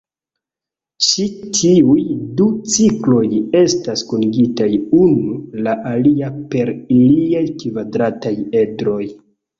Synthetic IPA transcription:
t͡ʃitʰiujdut͡siklo̞je̞staskuniɡitajunulaʔaliape̞ɾiliajkvadɾataje̞dɾo̞j

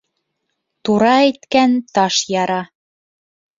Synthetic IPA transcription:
t̪uɾɑet̪kænt̪ɑʃjɑɾɑ

